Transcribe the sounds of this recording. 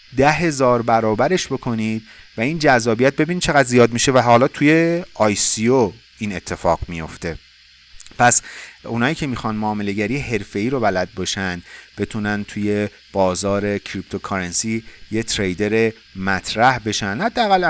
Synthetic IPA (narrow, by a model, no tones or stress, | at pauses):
d̪æɦe̞zɒːɾbæɾɒːbæɾeʃbo̞kʰo̞niːd̪̥væind͡ʒæzːɒːbijæt̪̚be̞binid̪̚t͡ʃʰe̞ɣæd̪zijɒːd̪miːʃe̞væɦɒːlɒːt̪ʰuje̞ɒjsio | iːne̞t̪ʰːe̞fɒːɣmijo̞ft̪e̞ | pʰæsunɒːjiːcʰe̞miːxɒnmoːme̞le̞ɟæɾijeɦe̞ɾfe̞iːɾo̞bælæd̪̚bɒʃænd̪be̞t̪ʰunænt̪ʰuje̞ | b̥ɒːzɒːɾe̞cʰɾip̚t̪ʰo̞kʰɒɾensijet̪ʰɾejd̪e̞ɾe | mæt̪ʰɾæhbe̞ʃænhæd̪ːeæɣæl